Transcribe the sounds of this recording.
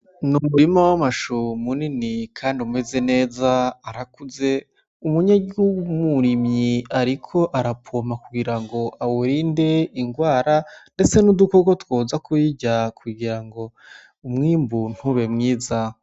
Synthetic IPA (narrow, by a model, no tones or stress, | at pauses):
numuɾimawamaʃumuninikʰaːndiume̞ze̞ne̞ːzaːɾakuze̞ | umuɲaɡiuɡumuɾimɲiaɾikʰo̞ʔaɾapʰoːmakuɡiɾaŋɡo̞ʔawoɾiːnde̞iŋɡwaːɾande̞t͡se̞nudukokotwoːzakujiɟakʰuɡiɾaŋɡo̞ | umŋiːmbun̥huβe̞mŋiːza